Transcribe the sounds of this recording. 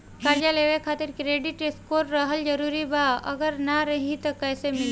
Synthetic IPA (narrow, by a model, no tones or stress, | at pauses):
kaɾd͡ʒaleʋekʰaːt̪ɪɾkɾeːɖɪʈeskoːɾɾəɦəld͡ʒəɾuɾibaə̰ɡəɾnaɾəɦit̪əkəːsemɪl